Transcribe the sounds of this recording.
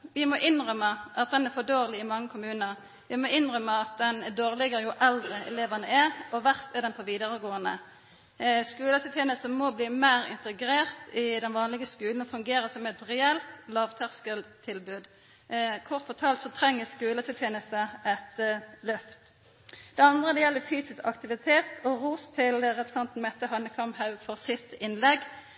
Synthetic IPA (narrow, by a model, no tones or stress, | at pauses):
ʋɪmɔʔɪnʁœməʔɑt̪̚d̪ɛnɛʁfɔd̪oːʁlɪɪmɑŋːəkʰʊmʉːnəʁ | ʋɪmɔɪnʁœməɑt̪̚d̪ɛnd̪oːʁlɪɡəjʊʔɛld̪ʁəɛ̰leːʋənəɛɾɔʋæʁst̪ɛʁd̪ɛnpʰɔʋiːd̪əʁəɡoːənə̰ | skʉːlət̪ʰɪlʰjeːnəst̪əmɔbliːmæɪʁɪ̰nt̪əɡɾeːʁt̪ɪd̪ɛnʋɑːnlɪɡəskʉːln̩ɔfʉŋɡeːɾəsɔmɛt̪ʁɛɛlt̪lɑːʋt̪ʰæʁskəlt̪ʰːɪlbʉːd̪ | kʰɔʁt̪fɔt̪ʰɑːlt̪sɔt̪ʰɾɛŋːəskʉːlət̪ʰɪlt̪ʰjeːnəst̪əɛt̪lœft̪ | d̪̥ɛɑnd̪ʁəd̪ɛjɛlːəfyːsɪskɑ̰kt̪ɪʋɪt̪ʰeːt̪ɔʁuːst̪ʰɪlʁɛpɾəsɑnt̪n̩mɛt̪ːəhɑnəkʰɑmhɑʉfɔʁsɪt̪ɪnlɛɡ